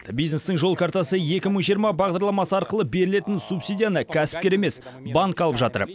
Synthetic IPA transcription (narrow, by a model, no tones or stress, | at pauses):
əbijzne̞st̪ɪɴʒo̞lˠkʰaɾt̪ɑsəje̞kʲɪməɴʒijəɾmɑbɑʁd̪ɑɾlˠɑmɑsəɑɾqəlˠəbe̞ɾɪle̞t̪ɪnsupsʲijd̪ʲijanəkʲʰæsɪ̥p̚kʲe̞ɾeme̞s | baŋkɑlˠəpʒɑt̪ə̰ɾ